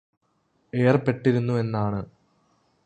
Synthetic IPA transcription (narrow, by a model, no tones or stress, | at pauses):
e̞ːrpe̞ʈːiɾunːue̞nːaːɳɨ